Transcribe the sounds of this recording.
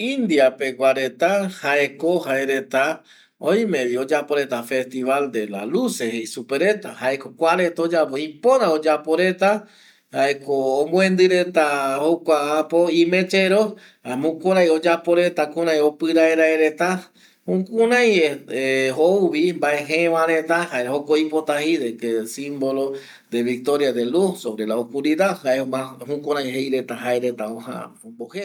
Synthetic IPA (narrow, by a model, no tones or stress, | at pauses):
ind̪iape̞ɡʷaɾe̞t̪ahaeko̞haeɾe̞t̪a | oj̃mẽβio̞d͡ʒapo̞ɾe̞t̪afe̞st̪iβald̪e̞la̰lusehejsupe̞ɾe̞t̪a̰haeko̞kʷaɾe̞t̪od͡ʒapoipoɾaod͡ʒapo̞ɾe̞t̪a | haekõːmũẽnd̪ɨɾe̞t̪ahokʷaapo̞ĩmẽ̞t͡ʃeɾo | amũkõɾãjod͡ʒapo̞ɾe̞t̪akũɾãjopɨɾaeɾaeɾe̞t̪a | hũkũɾãj̃eeowβimbaeɦẽʋãɾet̪ahaehokoipo̞t̪ahiðekesĩmbo̞lo | d̪e̞βik̚t̪o̞ɾjaðe̞lusoβɾe̞laokuɾiðaðhaemãhũkũɾãj̃ɦejɾe̞t̪aɦaeɾet̪aõhã̰õmbohe